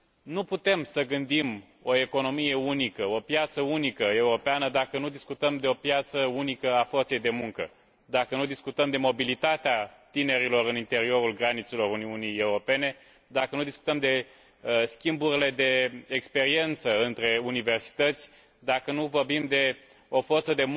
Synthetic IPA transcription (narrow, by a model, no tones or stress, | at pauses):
nuput̪e̞msəɡɨnd̪im | o̞e̞ko̞no̞mije̞unikəo̞pjat̪səunikəe̞uɾo̞peanəd̪akənud̪iskut̪əmd̪e̞o̞pjat̪səunikəafo̞rt̪sejd̪e̞muŋkə̰ | d̪akənud̪iskut̪əmd̪e̞mobilit̪at̪eat̪ine̞ɾilo̞ɾɨnint̪e̞ɾio̞ɾulɡɾanit̪se̞lo̞ɾuniunije̞uɾo̞pe̞ne̞ | d̪akənud̪isku̥t̪əmd̪e̞ | skʲimbuɾile̞d̪e̞ekspe̞ɾie̞nt̪səɨnt̪ɾe̞unive̞rsi̥t̪ət̪sʲ | d̪akənuvo̞rbimd̪e̞ | o̞fo̞rt̪səd̪e̞